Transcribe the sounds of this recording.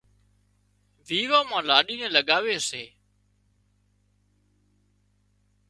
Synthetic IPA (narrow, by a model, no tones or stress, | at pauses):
ʋiːʋãːmãːlaːɗiːnẽːləɠaːʋeːseː